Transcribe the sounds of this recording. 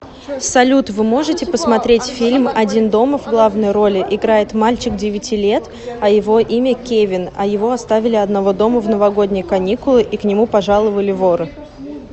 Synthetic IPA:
sɐlʲut̪vɨmo̞ʐɨtʲɪpəsmɐt̪ɾʲetʲfʲilʲmɐdʲind̪o̞məvɡlˠavnəjɾo̞lʲɪʔɪɡɾajɪt̪malʲt͡ɕɪk̚dʲɪvʲɪtʲilʲe̞t̪ | ɐjɪvo̞ʔimʲəkʲevʲɪnɐjɪvo̞ɐst̪avʲɪlʲɪɐd̪nɐvo̞d̪o̞məvnəvɐɡo̞dʲnʲɪjəkɐnʲikʊlˠɪʔiknʲɪmupɐʐalˠəvəlʲɪvoɾɨ

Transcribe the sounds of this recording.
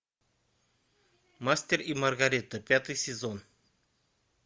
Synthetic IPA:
masʲt̪ʲeɾimərɡaɾit̪əpʲat̪ɨjsʲezon

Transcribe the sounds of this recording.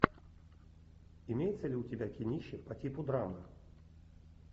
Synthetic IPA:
ɪmʲejɪt̪səlʲɪʊtʲɪbʲakʲɪnʲiɕːɪpɐtʲipʊd̪ɾamɨ

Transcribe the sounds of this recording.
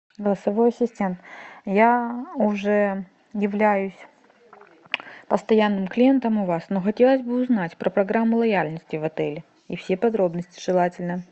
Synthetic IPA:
ɡəlˠəsɐvo̞jɐsʲɪsʲtʲe̞nt̪jaʊʐɛ | jɪvlʲæjʊsʲ | pəst̪ɐjanːɨmklʲɪje̞nt̪əmʊvasnoxɐtʲe̞lˠəzʲbɨʊznatʲpɾʔəpɾɐɡɾamːʊlˠɐjalʲnəsʲtʲɪvɐt̪ɛlʲɪ | ifsʲe̞pɐd̪ɾo̞bnəsʲtʲɪ̥ʐɨlˠatʲɪlʲnə

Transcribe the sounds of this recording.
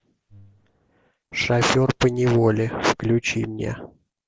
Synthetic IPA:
ʂɐfʲorpənʲɪvolʲɪfklʲʉt͡ɕimnʲḛ

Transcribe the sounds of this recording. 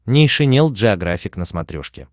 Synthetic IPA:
nʲɪʂɨnʲelˠʐɨɐɡɾafʲɪknəsmɐt̪ɾʲo̰ʂkʲɪ̰

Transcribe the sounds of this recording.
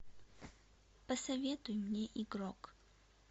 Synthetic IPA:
pɐsɐvʲet̪ʊjmnʲeʔiɡrok

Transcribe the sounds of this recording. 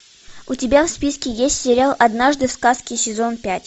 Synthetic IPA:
ʊtʲɪbʲafspʲiskʲɪjesʲtʲsʲɪɾʲalˠɐd̪naʐd̪ɨfskaskʲɪsʲɪzo̞npʲætʲ

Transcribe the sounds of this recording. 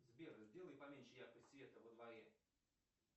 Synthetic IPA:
zbʲerəzʲdʲelˠəjpɐmʲenʲʃɪjakpəsʲvʲe̞t̪əvəd̪vɐɾʲe

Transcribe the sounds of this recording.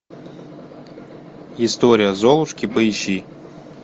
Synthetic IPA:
ist̪oɾʲɪjəzolˠʊʂkʲipəiɕi

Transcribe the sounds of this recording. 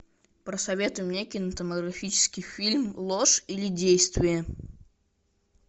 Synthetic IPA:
pɾəsɐvʲe̞t̪ʊjɪmnʲekʲɪjnət̪əməɡɾɐfʲit͡ɕɪ̥skʲɪjfʲilʲmlˠoʂilʲɪdʲejst̪vʲɪjə

